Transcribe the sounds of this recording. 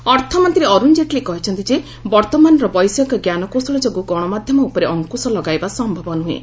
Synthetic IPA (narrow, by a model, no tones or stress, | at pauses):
ɔɾt̪ʰɔmɔnt̪iɾeɔɾund͡ʒeʈlekɔɦit͡ʃʰɔnt̪id͡ʒe | bɔɾt̪ɔmanɔɾɔbɔjsjɔkɔɡjanɔkosɔɭɔd͡ʒɔɡuɡɔɽ̃ɔmad̪ʱjɔmɔupɔɾeʔɔŋkusɔlɔɡajbasɔmbʱɔbɔnuɦḛ